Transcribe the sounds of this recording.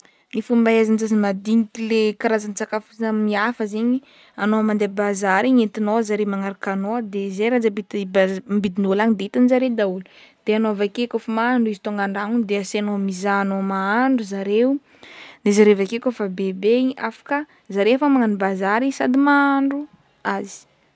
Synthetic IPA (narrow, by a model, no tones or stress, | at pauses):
nifumbaazanzazimad̪inikilekaɾazanit͡sakafuamiafəzeɲi | anoamand̪ebazaɾiɲent̪inozaɾemaŋaɾakanoəd̪ezejɾad͡zabit̪bmbid̪inolaɲd̪eit̪anzaɾed̪aulud̪̥eanoavakekofamaaɳɖ͡ʐuizi̥t̪oŋɡaɳɖ͡ʐaŋud̪easenomizaːnomaaɳɖ͡ʐuzaɾeu | d̪ezaɾevakekʲofabebeiafḁkə | zaɾefəmaŋanibazaɾisad̪imaaɳɖ͡ʐu | azi̥